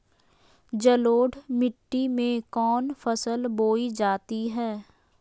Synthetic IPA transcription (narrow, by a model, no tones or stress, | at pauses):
d͡ʒəloːɖmɪʈːimẽkɔːnfəsəlboːid͡ʒaːt̪iɦɛː